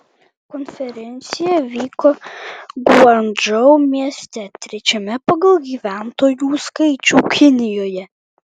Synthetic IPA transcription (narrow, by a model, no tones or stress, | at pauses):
kɔnʲfʲɛɾʲɛnʲt̪sʲɪjɛʋʲiːkoɡɐnd͡ʒɔʊmʲiɛsʲt̪ʲɛt̪ʲɾʲɛt͡ʃʲɛmʲɛpɐɡɐlˠɡʲiːʋʲæˑnt̪oːjuːskɐɪt͡ʃʲuːkʲʰɪnʲɪjoːjɛ